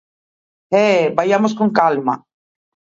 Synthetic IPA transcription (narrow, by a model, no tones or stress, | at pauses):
ɛbajamos̬koŋkalma̰